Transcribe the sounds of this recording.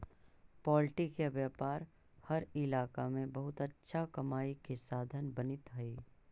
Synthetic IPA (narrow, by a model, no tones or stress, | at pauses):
pɔːlʈɪkjeʋjaːpaːɾ | hɐɾɪlaːkamẽbɐɦʊt̪ɐtːʃʰakɐmaːikesaːd̪ʱənbɐnɪt̪ɦɐiː